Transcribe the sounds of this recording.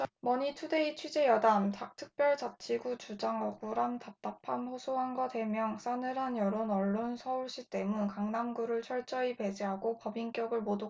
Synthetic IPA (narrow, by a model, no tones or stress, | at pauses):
mʌɲitʰude̞it͡ɕʰɥid͡ʑe̞jʌdamtak̚tʰɯk̚p͈jʌɭt͡ɕat͡ɕʰiɡut͡ɕud͡ʑaŋʌɡuɾantap̚t͈apʰanɸosʰoɦanɡʌdwe̞mjʌŋs͈ʰanɯɾɦanjʌɾonʌɭːonsʰʌuɭɕ͈it͈e̞munkaŋnamɡuɾɯɭt͡ɕʰʌɭt͡ɕ͈ʌipe̞d͡ʑiɦaɡopʌbiŋk͈jʌɡɯɭmodo